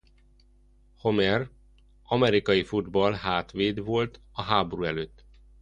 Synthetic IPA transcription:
ho̞mɛr | ɒmɛɾikɒjifud̪bɒlɦaːt̪ʋeːd̪ʋo̞lt̪ | ɒɦaːboɾuːɛløːt̪ː

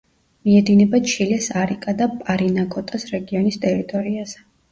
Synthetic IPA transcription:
miɛd̪inɛbaʃʰilɛsaɾikʼad̪apʼaɾinakʼɔt̪ʼasɾɛɡiɔnist̪ʼɛɾit̪ʼɔɾiazɛ

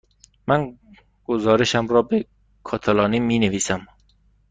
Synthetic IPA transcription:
mæn | ɡ̥ozɒːɾeʃæmɾɒːbe | kʰɒːt̪ʰælɒːniːmiːneviːsæm

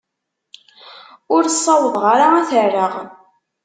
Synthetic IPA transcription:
ʊɾsˤːɑwəðˤʁaɾaæθərːəʁ

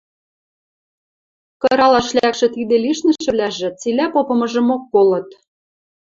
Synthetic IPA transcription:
kɤ̆ɾɑlɑʃlækʃĕt̪id̪ĕliʃnə̆ʃɘ̆βlæʒĕt͡silæpopɤ̆mɤ̆ʒɤ̆mokːolɤ̆t̪

